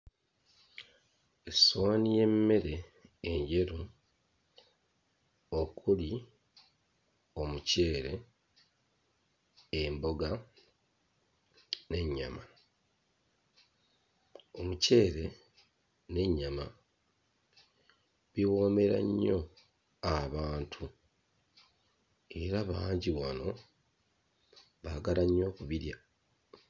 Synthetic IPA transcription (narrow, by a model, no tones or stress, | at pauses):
eswaːnije̞mːe̞ɾe̞ːɲɟe̞ɾu | okʰuli | omuce̞ːɾe̞ | mbo̞ɡa | ne̞ɲːa̰ma | o̞muce̞ːɾe̞ | ne̞ɲːama | βiwo̞ːme̞ɾa̰ɲːo̞ | aβaːntʰu | e̞ɾaβaːɲɟiwano̞ | βaɡaɾaɲːo̞ːkuβiɾja